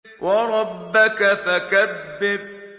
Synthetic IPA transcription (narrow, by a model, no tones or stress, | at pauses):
wɑɾˤɑbːɪkafakabːɪb